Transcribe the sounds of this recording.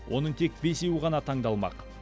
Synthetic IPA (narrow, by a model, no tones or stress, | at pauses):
wʔo̞̰nəɴt̪ʰe̞k̚be̞sewəʁɑnɑt̪ʰɑɴd̪ɑlˠmɑ̰q